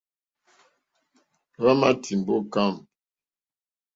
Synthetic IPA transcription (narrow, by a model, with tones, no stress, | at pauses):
βa˦ma˦tʰi˨m˨bɔ˦ka˦˨m